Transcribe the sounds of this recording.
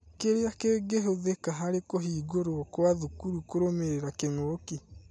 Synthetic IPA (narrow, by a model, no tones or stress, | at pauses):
keɾeakeːɡeɦoðekaɦaɾekoɦiːɡoɾokwaðukuɾukoɾomeɾeɾakeŋoki